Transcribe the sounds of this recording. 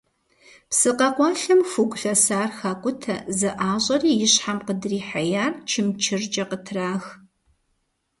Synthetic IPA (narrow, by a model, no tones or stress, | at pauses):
psɨqɐqʷɔɬɨmfuɡʷʼɬɐsaːrxaːkʷʼʊtʰɐ̰zɨʔaːɕʼɐriːjɪɕħamqədriːħajaːrt͡ʃʰɪmt͡ʃʰɪrd͡ʒʼɐqətʰraːx